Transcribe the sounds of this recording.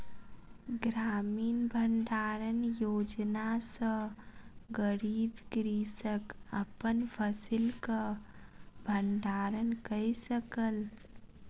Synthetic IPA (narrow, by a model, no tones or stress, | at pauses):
ɡɾaːmiːnbʱəɳɖaɾənjoːd͡ʒnasə̃ | ɡəɾiːbɡɾisəkəpənpʰəsilkə | bʱəɳɖaɾənkəisəkəl